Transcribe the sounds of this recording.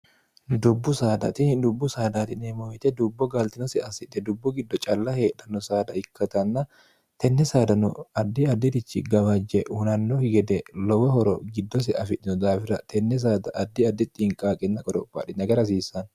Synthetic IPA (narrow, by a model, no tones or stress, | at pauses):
d̪ʊbːʊsaːd̪ɐ̰t̪ɪd̪ʊbːʊsaːd̪ɐt̪ɪnɛmojt̪ɛd̪ʊbːɔɡɐlt̪ɪnɔsɛɐsɪᶑɛd̪ʊbːʊɡɪd̪ːɔt͡ʃʼɐlːɐhe̞ːɗɐnːɔsaːd̪ɐɪkʰːɐt̪ɐnːɐ | t̪ɛnːɛsaːd̪ɐnɔɐd̪ːɪɐd̪ːɪd̪ɪt͡ʃːɪɡɐwɐd͡ʒɛʔʊnɐnːɔhɪɡɛd̪ɛlɔwɔhɔɾɔɡɪd̪ːɔs̬ɛɐfɪᶑɪnɔd̪aːfɪɾɐt̪ʰɛnːɛs̬aːd̪ɐʔɐd̪ːɪɐd̪ːɪt̪ʼɪŋkʼaːkʼɛnːɐkʼɔɾɔpːa̰ᶑɪnɐɡɐɾɐs̬iːsːɐn